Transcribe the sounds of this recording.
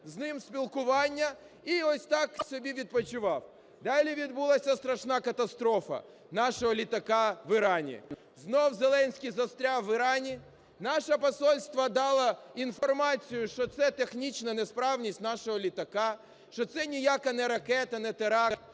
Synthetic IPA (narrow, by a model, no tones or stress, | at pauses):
znɪmsʲpʲilˠkʊʋɑnʲːɐ | iɔsʲt̪ɑksʲɔbʲiʋʲid̪̚pɔt͡ʃʊʋɑw | d̪ɑlʲiʋʲid̪bulˠɐsʲɐst̪ɾɐʃnɑkɐt̪ɐst̪ɾɔfɐ̰ | nɑʃɔɦɔlʲit̪ɐkaʋɪɾɑnʲḭ | znɔwzelˠɛnʲsʲkʲijzɐst̪ɾʲaʋɪɾɑnʲi | nɑʃɐpɐsɔlʲst̪ʋɐd̪ɑlˠɐinfɔrmɑt͡sʲijʊʃt͡ʃɔt̪sɛt̪exnʲit͡ʃnɐnespɾɑwnʲisʲtʲnɑʃɔɦɔlʲit̪ɐkɑ | ʃt͡ʃɔt̪sɛnʲijakɐnɛɾɐkɛt̪ɐnɛt̪eɾɑ